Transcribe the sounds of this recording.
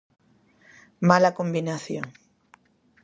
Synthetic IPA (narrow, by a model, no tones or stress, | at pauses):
malakõmbinaθjoŋ